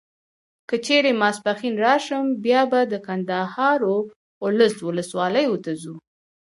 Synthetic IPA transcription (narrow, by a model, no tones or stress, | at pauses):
kət͡ʃeɾemɑspaxinɾɑʃəmbjɑbad̪əkand̪ahɑɾo | ʊləswʊləswɑləjwət̪azu